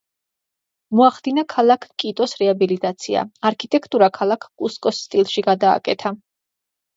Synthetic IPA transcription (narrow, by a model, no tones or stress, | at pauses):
mɔaχd̪inakʰalˠakʰkʼit̪ʼɔsɾɛabilit̪ʼat̪sʰia̰aɾkʰit̪ʼɛkʰt̪ʼuɾakʰalˠakʰkʼuskʼɔsːt̪ʼilˠʃiɡad̪a̰ːkʼɛt̪ʰa